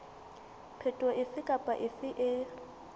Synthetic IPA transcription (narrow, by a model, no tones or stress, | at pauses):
pʰetʼɔʔɪsɪkʼapʼaʔɪsɪʔɪ